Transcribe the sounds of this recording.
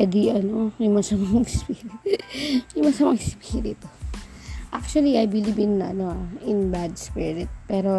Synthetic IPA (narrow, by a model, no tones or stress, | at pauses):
pɛd̪ɪʔɐno̞jʊŋmɐŋsɐmɐŋspiːɾɪt̪jʊŋmɐŋsɐmɐŋʔɪspiɾɪt̪ʊ | ʔak̚t͡ʃuɐliɐjbɪlibɪnːɐʔɐnoaʔɪnbad̪spɪɾɪt̪̚pɛːɾo̞